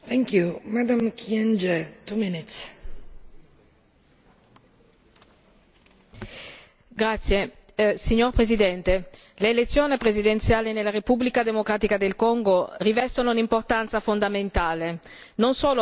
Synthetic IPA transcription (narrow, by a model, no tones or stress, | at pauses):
θɛŋkjumad̪ãmkʰiɛ̃nd͡ʒɛt̪uminit̪s | ɡɾat̪sːjesiɲːorpɾezid̪ɛnt̪e | leːlet̪sːjoːnipɾezid̪ent̪sjaːlinelːaɾepublikad̪emokɾaːt̪ikad̪elkɔŋɡorivɛst̪ononimport̪ant̪safond̪ament̪aːle | nonsoːlo